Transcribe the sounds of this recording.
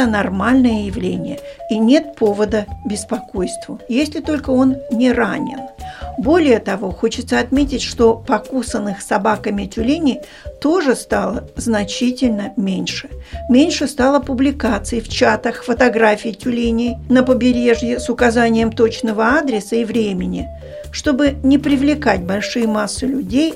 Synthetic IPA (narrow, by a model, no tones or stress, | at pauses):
ənɐrmalʲnəjəjɪvlʲenʲɪjəinʲe̞t̪̚po̞vəd̪əbʲɪspɐko̞jst̪vʊjesʲlʲɪt̪o̞lʲkəo̞nnʲɪɾanʲɪ̰nbo̞lʲɪjət̪ɐvo̞xo̞t͡ɕɪt̪səɐt̪mʲetʲɪtʲʂt̪o̞pɐkusənːɨxsɐbakəmʲɪtʲʊlʲenʲɪj | t̪o̞ʐɨst̪alˠəznɐt͡ɕitʲɪlʲnəmʲenʲʂɨmʲenʲʂɨst̪alˠəpʊblʲɪkat̪sɨjft͡ɕat̪əxfət̪ɐɡɾafʲɪːtʲʊlʲenʲɪjnəpəbʲɪɾʲe̞ʐjɪsʊkɐzanʲɪjəmt̪o̞t͡ɕnəvəad̪ɾʲɪsəivɾʲemʲɪnʲɪ | ʂt̪o̞bɨnʲɪpɾʲɪvlʲɪkat̚ʲbɐlʲʂɨjmasːɨlʲʉdʲej